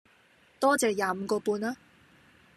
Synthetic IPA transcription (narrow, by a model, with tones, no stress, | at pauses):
t̪ɔː˥t͡sɛː˨jaː˨˧m̩ː˨˧kɔː˧puː˧naː˥